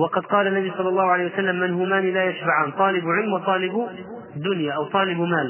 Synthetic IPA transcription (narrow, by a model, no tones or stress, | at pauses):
wɑqɑd̪̚qɑːlanːabisˤɑlːɑlˤːɑːhʊʕalaːjwasalːamːɪnhʊmaːnilaːjaʃbaʕaːnt̪ˤɑːlɪbʕɪlmwɑt̪ˤɑːlɪb | d̪ːʊnjaʔawt̪ˤɑːlɪbmaːl